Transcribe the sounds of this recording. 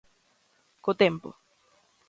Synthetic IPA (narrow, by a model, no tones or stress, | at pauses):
kot̪empo̰